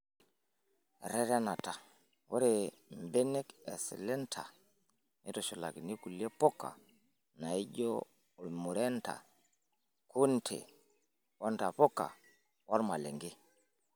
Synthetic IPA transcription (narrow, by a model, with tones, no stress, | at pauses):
ɾɛ˦ɾa˦na˨ta˨ | wɔ˦ɾe˨m˨bɛ˦nɛ˦kɛ˨sḭ˨lɛ˦ntʰa̰˨ | ni˦tɔ˨ʃɔ˨la̰˨ki˨ni˦ku˨le˦pɔ˦ka̰˨ | na˨i˦ɟo̰˦˨ | lmu˨ɾɛ˦nta̰˨ | kʰu˦ntʰḛ˨ | wa˦nta˨pɔ˦ka̰˨ | wa˦ɾma˨lɛ˨ŋɡi˦